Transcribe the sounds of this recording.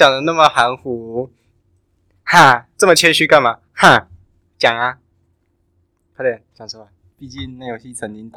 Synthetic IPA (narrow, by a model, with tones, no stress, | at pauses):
jɑ˨˩ŋd̪ə˧˦na˥˩mə˨˩xa˧˥nxu˨˧˦ | xa˥˩t͡sɤ˥˩mə˨t͡ɕʰjɛ˥nɕy˥ka˥˩nma˨˩ | xa˥˩ | t͡ɕjɑ˨˩ŋa˦ | pʰa˧˥d̪ɛ˥˧˩t͡ɕjɑ˨˩ŋt͡sʰɔ˥˩a˧˩ | pi˥˧t͡ɕi˥˧nna˥˩jo˨˩ʊɕi˥˧t͡sʰə˨˥nt̪i˧˥n˨